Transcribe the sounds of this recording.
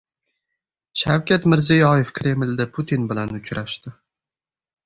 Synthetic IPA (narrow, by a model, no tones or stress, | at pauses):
ʃawkʲat̪mɪɾzɪjɒjefkʰʲɾe̞mld̪apʰʊt̪ʰinbɪlanʊt͡ʃɾaʃt̪ɪ